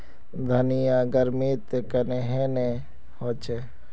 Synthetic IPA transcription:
d̪ʱɐnijãɡɐɾmiːt̪kɐneɦene | hot͡ʃe

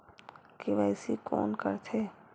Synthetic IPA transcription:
kiʋɛːsikɔ̰ːnkə̰ɾt̪ʰeː

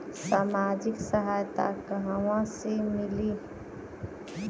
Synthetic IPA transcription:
saːmaːd͡ʒɪksəɦaːjt̪a̰kəɦəʋãsemɪli

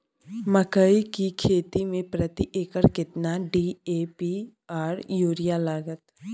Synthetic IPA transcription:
məkəikikʰeːt̪imẽpɾət̪iʔeːkəɾkɪt̪naɖiːeːpi | aːɾjuːɾijalaːɡət̪

